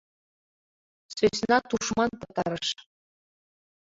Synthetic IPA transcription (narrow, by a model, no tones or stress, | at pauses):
sʲøsʲnɑt̪uʂmɑnpɤ̆t̪ɑ̰ɾɤ̆ʃ